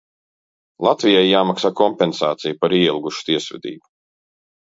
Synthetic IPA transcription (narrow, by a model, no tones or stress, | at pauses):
lˠat̪vijajːaːmaksaːkɔmpʲɛnsaːt̪sijupaɾiɛilˠɡuʃu̥t̪iɛsvɛ̰d̪ḭːbu